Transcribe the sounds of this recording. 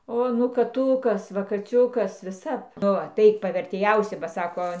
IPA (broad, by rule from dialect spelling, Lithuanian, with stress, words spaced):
ˈoː nʊ kɐˈtʊkɐs ˈʋɐ kɐˈt͡sʲʊkɐs ʋʲɪˈsɐp ˈnʊ ɐˈtɐɪk pɐʋʲɛrʲtʲeːˈjɛʊsʲɪ bɐ ˈsɑːkoː